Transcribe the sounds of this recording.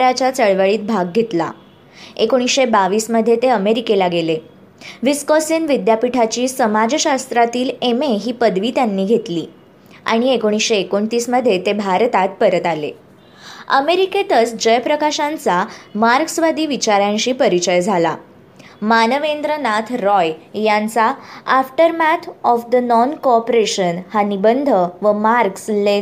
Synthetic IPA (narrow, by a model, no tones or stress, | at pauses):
ɾat͡ɕjat͡səɭʋəɭiːt̪̚bʱaɡːʱet̪la̰ | ekoɽ̃isɕebaʋiːsməd̪ʱːjet̪eəmeɾikelaɡele | ʋiskɔsinʋid̪japiʈʰat͡ɕiːsəmad͡zɕast̪ɾat̪iːlemeɦiːpəd̪ʋiːt̪janːiːɡʱet̪liː | a̰ɽ̃iekoɽ̃isɕeːkoɳt̪iːsməd̪ʱːjet̪ebʱaɾt̪at̪̚pəɾət̪alḛ | ə̰meɾiket̪ət͡sd͡ʑəjpɾəkaɕãnt͡samaɾksʋad̪ʱiːʋit͡ɕaɾjãɲɕiːpəɾit͡ɕəjd͡zʱala̰ | manəʋend̪ɾənat̪ʰɾɔjjant͡saːfʈəɾmæt̪ʰɔfd̪ənɔnkoɔpɾeɕənhanibənd̪ʱəʋəmaɾksle